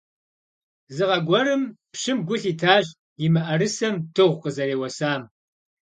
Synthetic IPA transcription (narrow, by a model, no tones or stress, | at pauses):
zɨʁɐɡʷɔɾɨmpʃɪmɡʷʊɬiːtʰaːʑʼ | jɪmɐʔɐrɨsɐmtʰɨʁʷqəzɐreːwɐsaːm